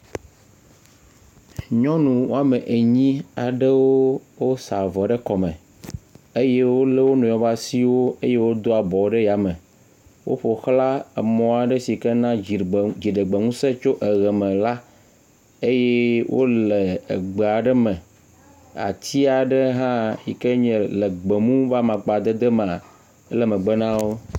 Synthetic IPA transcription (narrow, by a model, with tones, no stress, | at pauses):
ɲɔ̃˦nũ˨wo˦a˦me˨ʔe˨ɲĩ˦a˨ɖɛ˦wo˦wo˦sa˨vɔ˨ɖɛ˦kɔ˨mɛ̃˨ | e˦je˦wo˦le˦wo˦nũ˨jɔ̃˨va˦si˦wo˦e˦je˦wo˦d̪o˦a˨bɔ˨wɖe˦ja˨mɛ̃˨ | wo̰˦ɸo˨xla˦e˨mɔ̃˨˦a˨ɖe˦si˨ke˦nã˦i˨d͡ʑi˨ɖə˨ɡ͡be˨ŋũ˦se˦t͡ʃo˦ʔe˨ɣɛ˨mɛ̃˨la˦ | e˦jɛ˦wʔo̰˦le˨ḛ˨ɡ͡be˨a˨ɖə˦mɛ̃˨ | a̰˨t̪ʰi˦a˨ɖe˦ɦã˦jḭ˨ke˦ɲɛ̃˨le˨ɡ͡be˨mũ˦va˦mã˨k͡pa˨d̪e˦d̪e˦me˨a˨ | e˦lɛ˨mɛ̃˨ɡ͡be˦nã˦wo˦